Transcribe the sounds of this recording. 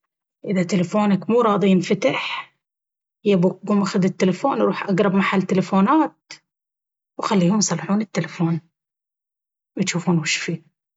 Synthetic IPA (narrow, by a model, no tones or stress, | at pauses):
ʔɪðat̪ɪlafoːnakmuːɾˤɑːd̪ˤiɪnfat̪aħ | jabuɡumʔaxʊd̪ɪt̪ːɪlafoːnɾˤuːħʔaɡɾˤɑbmaħalːt̪ːɪlafoːnaːt̪̚ | wxalːiːhʊmjsˤɑlːħuːnɪt̪ːɪlafoːn | wjt̪ʃuːfuːnwɪʃfi